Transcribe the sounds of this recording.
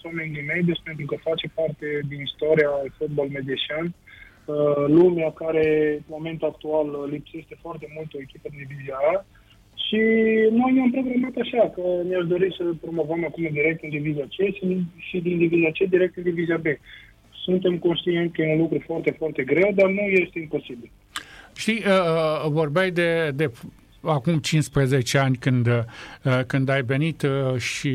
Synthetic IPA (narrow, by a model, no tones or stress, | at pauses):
swamenlimejd̪espe̞nt̪ɾukəfat͡ʃe̞part̪e̞d̪inist̪oɾiaːlfut̪̚bolmed̪eʃian | əlumeakaɾe̞mo̞me̞nt̪uak̚t̪uallipse̞ʃt̪e̞foart̪e̞mult̪o̞e̞kʲipəd̪ind̪iviziaa | ʃino̞jneampɾo̞ɡɾamat̪aʃakəneaʃd̪o̞ɾisəpɾo̞mo̞vəmakumɨnd̪iɾe̞k̚t̪ɨnd̪iviziat͡ʃeʃiʃid̪ind̪iviziat͡ʃed̪iɾek̚t̪ɨnd̪iviziabe̞ | sunt̪e̞mko̞nʃt̪ient̪sʲkəjeunlukɾufoart̪e̞foart̪e̞ɡɾe̞wd̪arnuje̞st̪eimpo̞sibil | ʃt̪iəvo̞rbejd̪e̞d̪e̞ | akumt͡ʃinspɾeze̞t͡ʃe̞anʲkɨnd̪əkɨnd̪ajve̞nit̪ʃi